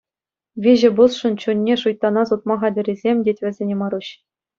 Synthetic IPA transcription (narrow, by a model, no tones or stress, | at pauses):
ʋʲiʑɘ̆busʂɤ̆nt͡ɕunʲːeʂujt̪ːɑnɑsut̪̚mɑχɑdʲɘ̆ɾʲizʲemʲdʲetʲʋʲɘ̆zʲenʲemɑɾuɕ